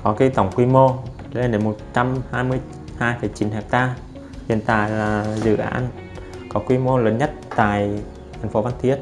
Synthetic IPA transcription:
kɔ˨˦ki˨˧˦jt̪ə˨˧˩wŋ͡mkwi˧mo˧˨˦ | laː˨˩˨e˨˦nmo˨˩t̚t͡ɕa˧mhaː˧jmɨ˧əj | haː˧jfə˨˩jt͡ɕi˨˦nhɛː˨˩p̚t̪aː˧ | hḭ˧˨ənt̪a̰ː˧˨jlaː˨˩zɨ̰˧˨ʔa̰ː˨˧˦n | kɔ˨˦kwi˧mo˧ləː˨˦nɲə˦˥t̚t̪a̰ː˧˨j | t̪ʰɛ˨˩ŋ̟fo˨˦va˧nt̪ʰi˦˥ət̚

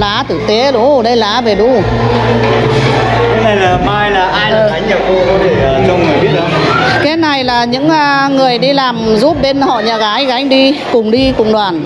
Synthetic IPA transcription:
laː˨˦t̪ʰɨ˧˩t̪e˨˦ɗu˨˦ɗə˧jlaː˨˦ve˨˩ɗu˧˦ | kaː˨˦na˨˩jlaː˨˩maː˧jlaː˨˩ʔaː˧jla˧˩a˨˦ŋ̟ɲa˨˩ko˧kɔ˨˦t̪ʰe˧˩ʔəː˨˩t͡ɕə˧wŋ͡mŋ˨˩jɓi˦˥ət̚ɗə˨˩˧kaː˨˦jna˨˩jlaː˨˩ɲɨ̰˧˥ŋʔːŋɨ˨˩əjɗi˧laː˨˩mzu˦˥p̚ɓe˧nhɔ̰˧˨ɲaː˨˩ɣaː˨˦jɣa˨˦jŋ̟ɗi˧kʊ˨˩ŋ͡mɗi˧kʊ̰˧˨ŋ͡mɗwaː˨˩n

